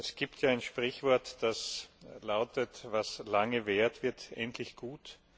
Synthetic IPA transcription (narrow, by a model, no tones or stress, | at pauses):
ɛsɡ̥iːptjaːaɪnʃpʁ̥ɪçv̥ɔɐtd̥aslaʊtətvaslaŋəveːɐtv̥ɪɐtʔɛntʰlɪçɡ̥uːt